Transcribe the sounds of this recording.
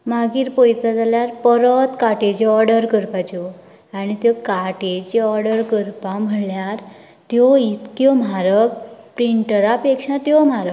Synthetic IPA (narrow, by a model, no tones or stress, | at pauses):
maɡiːɾpojt̪ad͡zaljaɾpəɾət̪kaʈed͡ʑeɔɾɖəɾkəɾpat͡ɕɔ | añit̪jɔkaʈed͡ʑeɔɾɽəɾkəɾpam̤əɳljaɾ | t̪jɔit̪kjɔm̤aɾəkpɾiɳʈəɾapekʂãt̪jɔm̤aɾək